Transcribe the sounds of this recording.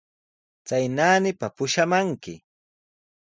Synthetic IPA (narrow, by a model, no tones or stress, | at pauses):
t͡sajnaːnɪpapʊʃamaŋkɪ̰